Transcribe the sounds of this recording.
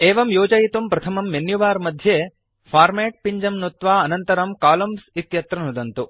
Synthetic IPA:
eːʋɐmjoːd͡ʒɐjit̪umpɾɐt̪ʰɐmɐmːenjuʋaːɾmɐd̪ʱjeː | fʰaːɾmeːʈ̚piɲd͡ʒɐmnot̪ʋaːɐnɐnt̪ɐɾɐmkaːlɐmsit̪jɐt̪ɾɐnud̪ɐnt̪u

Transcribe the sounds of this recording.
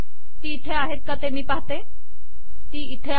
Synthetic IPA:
t̪iɪt̪ʰːeaːɦet̪̚kat̪emĩpaːt̪e | t̪iɪt̪ʰːe

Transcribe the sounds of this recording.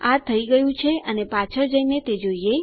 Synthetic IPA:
aɾt̪ʰːəiɡəjũt͡ʃʰeənepat͡ʃʰəɾd͡ʒəinet̪ed͡ʒoie

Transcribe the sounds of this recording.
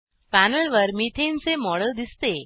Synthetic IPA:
fænəlʋəɾmit̪ʰensemɔɽəld̪ist̪e

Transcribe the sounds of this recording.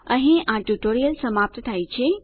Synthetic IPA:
əɦĩʔãʈuʈoːɾijəlsəmaːp̚t̪t̪ʰait͡ɕʰe

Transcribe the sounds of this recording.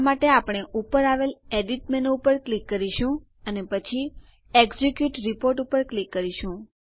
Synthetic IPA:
maʈeapɳ̃eʔupəɾaʋeleɖiʈ̚mɛnoupəɾklikːəɾiʃũ | ənepət͡ʃʰi | eɡzikjuʈɾipoɾʈupəɾklikːəɾiʃũ

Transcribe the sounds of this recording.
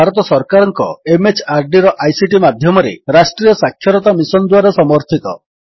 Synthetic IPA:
aɾɔt̪ɔsɔɾkaɾɔŋkɔemet͡ʃʰaɾɖiɾɔʔajsiʈimad̪ʱjɔmɔɾḛɾasʈɾijɔsakʰːjɔɾɔt̪amisɔnd̪waɾɔsɔmɔɾt̪ʰit̪ɔ

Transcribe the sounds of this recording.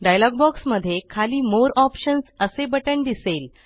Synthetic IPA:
ɖajlɔɡ̚bɔksməd̪ʱːjekʰaliːmoɾɔpɕənsəsebəʈəɳd̪isel

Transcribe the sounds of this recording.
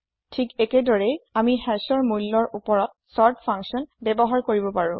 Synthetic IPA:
tʰikɛkɛdɔɹɛjamihɛsɔɹmulːɔɹupɔɹɔt̚sɔɹtpʰãŋksiɔnbɛbɔɦaɹkoɹibɔpaɹʊ̃

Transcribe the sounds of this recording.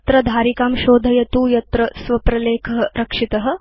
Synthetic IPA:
t̪ɾɐd̪ʱaːɾikaːmʃoːd̪ʱɐjɐt̪uːjɐt̪ɾɐsʋɐpɾɐleːkʰɐɦɐɾɐkʂit̪ɐɦɐ̆

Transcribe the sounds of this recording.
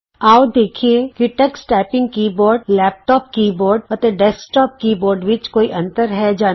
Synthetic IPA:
aːod̪eːkʰiekiʈɛksʈɛːpɪ̃ŋɡkiːboːɾɖlɛːp̚ʈɔːp̚kiːbɔːɾɖ̚ət̪eɖɛːsʈɔːp̚kiːboːɾɖʋɪt͡ʃkoːiʔɐ̃nt̪əɾɦɛd͡ʒaː

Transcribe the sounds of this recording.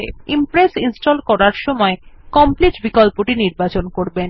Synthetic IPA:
ḛimpɾesinsʈolkɔɾaɾʃɔmɔe | kɔmpliʈbikolpoʈiniɾbat͡ɕonkoɾben

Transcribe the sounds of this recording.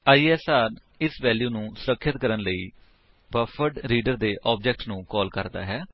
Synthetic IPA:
aːiːɛːsaːɾ | ɪsʋɛːljuːnũːsʊɾəkʰːət̪kəɾənləiː | bəfʰəʈɾiːɖəɾd̪eːʔɔːb̚d͡ʒɛːk̚ʈnũːkɔːlkəɾd̪a̰ːɦɛː

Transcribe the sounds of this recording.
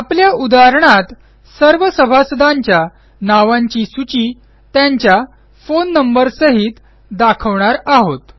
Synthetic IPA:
apljaud̪aɾəɳ̃at̪ | səɾʋəsəbʱasəd̪aɲt͡ɕja | naʋãɲt͡ɕisut͡ɕiː | t̪jaɲt͡ɕja | fonːəmbəɾsəɦit̪ | d̪akʰəʋɳaɾaɦot̪

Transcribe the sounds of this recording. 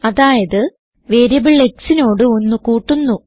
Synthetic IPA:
ɐðaːjɐðɨ | ʋeːɾɐbiɭːeksino̞ːɽɨo̞nːukuːʈːunːu

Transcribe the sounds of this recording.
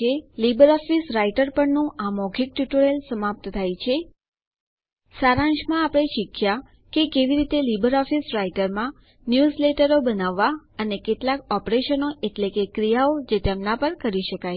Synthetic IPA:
elibəɾɔfisɾaiʈəɾpəɳnũʔamɔɡʰʱik̚ʈuʈoɾelsəmap̚t̪t̪ʰajt͡ʃʰe | saɾãɲd͡ʒmãapɽ̃eʃikʰja | kekeʋiɾit̪elibəɾɔfisɾaiʈəɾmã | njuzleʈəɾobənaʋːaənekeʈlakɔpɾeʃənoʔeʈlekekɾijaod͡ʒet̪emnapəɾkəɾiʃəkaj

